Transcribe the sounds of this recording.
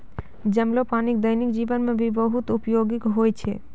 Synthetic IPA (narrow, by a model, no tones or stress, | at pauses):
d͡ʑemlopanikd̪əjnikd͡ʑibonmebibɔɦut̪upjoɡikɦojt͡ɕʰe